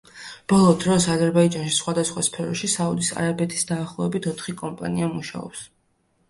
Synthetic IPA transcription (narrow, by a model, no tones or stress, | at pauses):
b̥ɔlˠɔd̪ɾɔsazɛɾbaid͡ʒanʃisχwad̪asχwaspʰɛɾɔʃisaud̪isa̰ɾabɛt̪ʰi̥sd̪aːχlˠɔɛbit̪ʰɔt̪ʰχikʼɔmpʼa̰niamuʃa̰ɔ̰ps